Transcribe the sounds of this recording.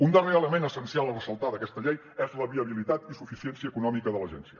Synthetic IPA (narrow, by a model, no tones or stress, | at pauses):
und̪əreələmenəsənsialˠərəsəlˠt̪aðəkɛst̪əʎej | ɛzləβiəβilit̪at̪isufisiɛnsiəːkunɔmikəðələʒɛnsiə